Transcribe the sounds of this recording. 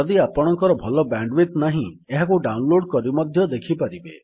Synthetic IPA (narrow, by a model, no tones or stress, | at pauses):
d̪iapɔɽ̃ɔŋkɔɾɔbʱɔlɔbaɳɖwit̪naɦĩ | eɦakuɖawnloɽkɔɾibmɔd̪ʱjɔd̪ekʰipaɾibe